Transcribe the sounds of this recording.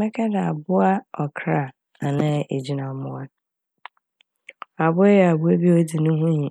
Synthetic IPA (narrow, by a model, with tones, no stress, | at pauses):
ɛ˦kʰɛ˦da˨a˨bʊ˦a˦ɔ˨kʰɾa˨ | a˨nã˦˨ʔe˨d͡ʑi˦nã˨mʊ̃˦a˦ | a˨bʊ˦e˦jɛ˨a˨bʊ˦e˦bi˦o˦di˨nʊ̃˦ɦũ˦ji˨